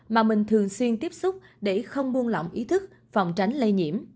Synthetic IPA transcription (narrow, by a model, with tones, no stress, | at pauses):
maː˨˩mï˨˩ŋ̟t̪ʰɨ˨˩əŋswi˧ənt̪i˦˥əp̚sʊ˦˥k͡p̚ɗe˧˩xə˧wŋ͡mɓu˧ənlɔ̰˧˨wŋ͡mʔi˨˦t̪ʰɨ˦˥k̚ | fa̰˨˩wŋ͡mt͡ɕa˨˦ŋ̟lə˧jɲḭ˧˩əm